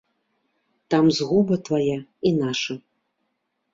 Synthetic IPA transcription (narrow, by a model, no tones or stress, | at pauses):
t̪amzɣubɐt̪vajainaʂɐ